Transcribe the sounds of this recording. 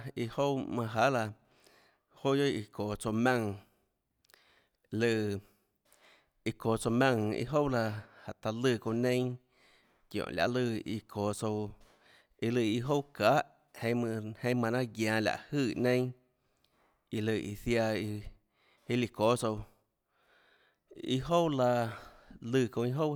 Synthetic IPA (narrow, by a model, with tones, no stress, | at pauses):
i˧ho˦wmã˧ɦa˦la˧ | ho˦jo˦i˧kʰoː˨t͡so˧mã˦˧ŋ˧ | lɨ˧˨ | i˧koː˨t͡so˧mã˧ŋḭ˧ɦo˦wla˧ha˨t̪a˧lɨ˧˨ko˧nẽ˦ | kjõ̰˨lʲja̰˧˨lɨ˧˨ḭ˧kʰoː˨t͡so˧w | i˧lɨ˧˨i˧ɦo˦wkaː˨˦ʔ | hẽ˧˦mɨ̃˧hẽ˧˦mã˧nã˦ɡjã˨˧lʲa̰˧˨ʔhɨː˦˧˨nẽ˦ | i˧lɨ˧˨ʔḭ˧θja˧i˧ | hi˦li˧ko˨˦so˧w | ḭ˧ɦo˦wla˧ | lɨ˧˨kõ˧i˧ɦo˦w